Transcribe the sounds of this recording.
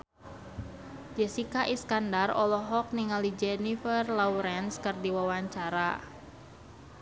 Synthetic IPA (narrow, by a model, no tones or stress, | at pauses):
d͡ʒɛsikaʔiskandarɔlɔɦɔk̚niŋalid͡ʒɛnifərlawɾɛnskɨrdiwawaɲt͡ʃaɾa